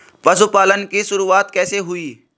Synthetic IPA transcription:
pɐsupaːlənkiʃʊɾuaːt̪kɛːseɦʊiː

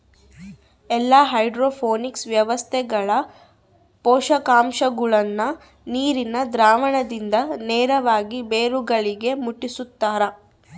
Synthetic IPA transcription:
ɛlːaːɦɐjɖɾoːpʰoːniksʋjɐʋɐst̪ʰɛɡɐɭɐ | pɔːʂɐkaːmʃɐɡuɭɐnːɐ | niːɾinɐd̪ɾaːʋɐɳɐd̪ind̪ɐneːɾɐʋaːɡibeːɾuɡɐɭiɡe̞muʈːisut̪ːaːɾɐ

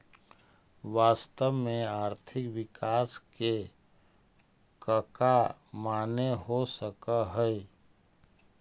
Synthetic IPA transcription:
ʋaːst̪əʋmẽaːɾt̪ʰɪkʋɪkaːske | kəkamaːneɦosəkaɦɛe

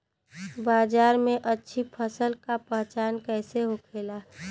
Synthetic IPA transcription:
baːd͡ʒaːɾmẽʔətːʃʰipʰəsəlkapɛɦt͡ʃaːnkɛːseɦokʰeːla

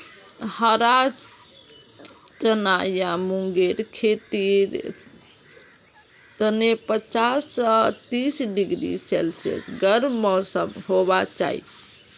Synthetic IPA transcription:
həɾa | t̪ənajamuŋɡeɾkʰet̪iɾ | t̪ənepət͡ʃasːət̪isɖiɡɾḭselsḛsɡəɾmɔsəbɦobat͡ʃa̰ḭ

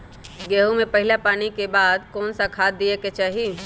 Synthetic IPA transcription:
ɡeːɦumepəɦɪlapaːnikebaːd̪kɔːnsakʰaːt̪̚d̪ieket͡ʃaːɦi

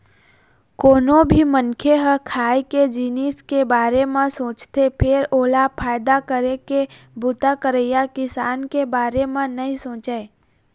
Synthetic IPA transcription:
koːnõbʱimənkʰeɦə̃kʰaːjked͡ʒiːniskebaːɾemãsõːt͡ʃt̪epʰɪɾoːlapʰaːjd̪akəɾeke | bʊt̪akəɾeːjakɪsaːnkebaːɾemãnɐɦĩsõːt͡ʃee

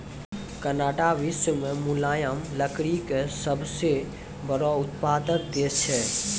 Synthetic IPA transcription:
kənaːʈaʋɪsəmẽmʊlaːjəmləkɽikesəbse | bəɾoʊt̪paːd̪ək̚d̪eːt͡ʃʰɛ

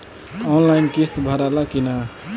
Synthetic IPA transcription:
ɔnlajnkist̪bʱəɾalakina

